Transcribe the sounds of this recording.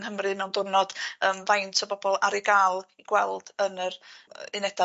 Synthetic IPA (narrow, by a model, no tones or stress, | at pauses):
nhəmrɨmɛwndʊrnɔd̥əːmvajntʰɔbɔbɔlˠaɾɪɡalˠiɡ̥wɛlˠd̥ənərɪnɛd̥a